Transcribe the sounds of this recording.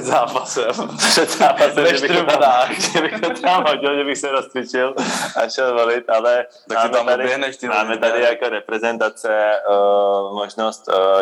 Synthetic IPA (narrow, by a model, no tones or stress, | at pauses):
d̪zaːpasɛmrɛd̪zaːpasɛmɛʒɛbiɾuaxʒɛbixɔt̪amɦɔɟilʒɛbixsɛɾɔst̪ɾit͡ʃilaʃɛlʋɔlit̪alɛ | t̪amaːmɛt̪ad̪iɛnɛʃt̪imaːmɛt̪adiakɔɾɛpɾɛzɛnt̪at͡sɛ | mɔʒnɔst